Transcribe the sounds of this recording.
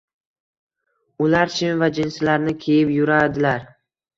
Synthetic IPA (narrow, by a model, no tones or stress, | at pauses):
ʊlaɾt͡ʃʰɪmvad͡ʒɪnsɪlaɾnɪkʲʰe̞jɪpjʊɾad̪ɪlaɾ